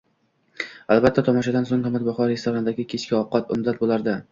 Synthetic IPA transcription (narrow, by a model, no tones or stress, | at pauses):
alˠbat̪ʰːat̪ʰɒmɒʃad̪ansoŋh̪amat̪̚bɒχɒɾɾe̞st̪oɾanɪd̪aɡʲɪkʲʰet͡ʃkʲɪɒqːɑt̪ʊ̰md̪at̪̚bolˠaɾd̪ɪ